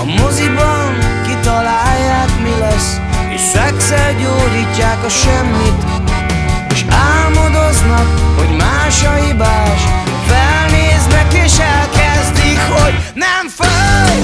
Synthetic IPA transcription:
ɒmozibɒnkit̪ɒlaːjːaːkmilɛs | ḛːʃsɛksɛrɟoːdiːcːaːkɒʃɛmːit̪ | eːʃaːlmod̪oznɒkhoɟmaːʃɒɦibaːʃfɛlneːznɛkeːʃɛlkɛzd̪ikho̞ɟnɛmfø

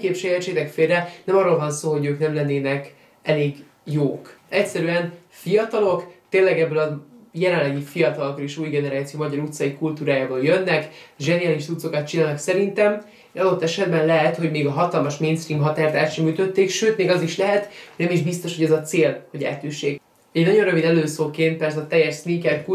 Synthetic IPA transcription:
keːpʃɛjɛt͡ʃːeːt̪ɛkfeːrːɛnɛmɒrːolvɒnsoːɦo̞ɟøːknɛmlɛnːeːnɛk | ɛleːɡ | joːkɛcʲsɛɾyɛn | fijɒt̪ɒlo̞kt̪eːnlɛɡɛbːølɒjɛlɛnlɛɡifijɒt̪ɒlokːoleːʃuːjɡɛnɛɾaːt̪sioːmɒɟɒɾut̪sɒjikult̪uːɾaːjaːboːljønːɛkʒɛnijaːliʃt̪sut̪so̞kɒt̪̚t͡ʃinaːnɒksɛɾint̪ɛm | ʃɒd̪o̞t̪ːɛʃɛd̪̚bɛnlɛɦɛt̪ho̞ɟmeːɡɒɦɒt̪ɒlmɒʃmeːnst̪riːmɦɒt̪aːrt̪aːt̪ʃɛmyːt̪ø̞t̪ːeːkʃøːt̪meːɡɒziʃlɛɦɛt̪honɛmiʒbist̪o̞ʃhoɛzɒt̪seːlho̞ɟɛ̰ːt̪yʃːeːk | ɛɟnɒɟo̞nrøvid̪ɛløːsoːlkeːnt̪̚pɛrsɛːt̪ɛjɛʃsniŋkɛrku

